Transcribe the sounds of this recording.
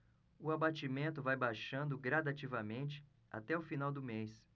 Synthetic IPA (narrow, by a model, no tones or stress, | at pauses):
ʊabat͡ʃimẽnt̪ʊvajbajʃɐ̃nd̪ʊɡɾad̪at͡ʃivɐmẽnt͡ʃɪ̥ | a̰t̪ɛʊfinawd̪ʊmejs